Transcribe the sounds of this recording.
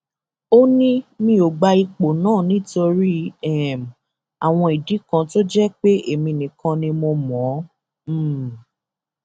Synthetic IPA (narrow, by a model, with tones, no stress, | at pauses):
o˦nĩ˦mĩ˧˦o˨ɡ͡ba˧i˧k͡po˨nãː˦˨nĩ˦˨to˧ɾi˦ɛ˦˨m | a˨w̃ɔ̃˧i˨di˨˦kã˧to˦d͡ʒɛ˦k͡pe˦ʔe˦˨mĩ˧˨nĩ˨kã˧nĩ˧mo˧mɔ̃˨˦˨